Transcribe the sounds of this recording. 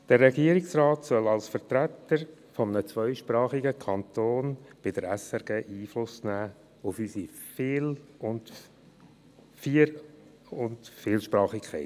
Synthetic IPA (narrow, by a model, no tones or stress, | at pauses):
d̪̥əɾːɛɡiːəɾɪksrɑːtsœlɑlsfəɾt̪ɾæt̪əɾ | fɔmənət͡sʋœʏʃpɾɑːχiɡəkʰɑnt̪oːnb̥ɪd̥əɾæsɛɾɡeːʔiːflʊsnæː | ʊfysifɪːlʊnt | fiɾ | ʊntfɪːlʃpɾɑːχikʰχɛ̰ɪt